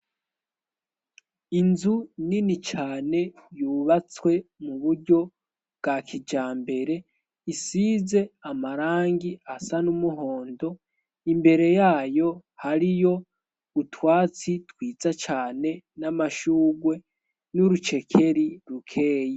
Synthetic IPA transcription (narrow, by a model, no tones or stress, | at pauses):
inzuninit͡ʃaːne̞juːβat͡swe̞muβuɾɟo̞ | b̚ɡ̥akʰid͡ʒaːmbe̞ɾe̞ | isiːze̞amaɾaːŋɡiasanumuɦo̞ːndo̞ | imbe̞ɾe̞jaːjo̞haɾijo̞ | utwaːt͡sitwiːzat͡ʃaːne̞namaʃuːɡwe̞ | nuɾut͡ʃe̞kʰe̞ɾiɾukʰe̞ːji